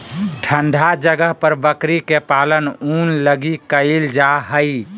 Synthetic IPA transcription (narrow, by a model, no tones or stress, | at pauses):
ʈʰəɳɖ̪ʱad͡ʒəɡəɦpəɾbəkɾikepalənunləɡikəɪld͡ʒaɦəɪ